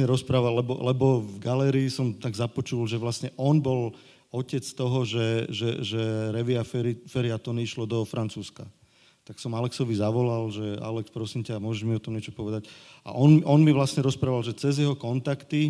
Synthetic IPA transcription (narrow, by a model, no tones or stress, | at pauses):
ɲɛɾɔspɾaːʋallɛbɔ̰lɛbɔvɡalɛːɾiːsɔmt̪aɡzapɔt͡ʃulʒɛʋlasɲɛʔɔnbɔl | ɔcɛt͡st̪ɔɦɔʒɛʒɛ̰ʒɛɾɛʋiaffɛɾiat̪ɔniiʃlɔd̪ɔfɾʔant͡suːska̰ | t̪aksɔmalɛksɔʋizaʋɔlalʒɛa̰lɛkspɾɔsimcamʊɔʒɛʒmiɔt̪ɔmɲɛt͡ʃɔpɔʋɛd̪aca̰ʔɔnmiʔɔnmiʋlasɲɛɾɔspɾaːʋalʒɛt͡sɛzjɛɦɔkɔnt̪akt̪i